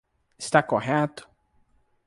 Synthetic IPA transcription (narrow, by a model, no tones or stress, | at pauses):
ɪst̪akoɦɛt̪ʊ̥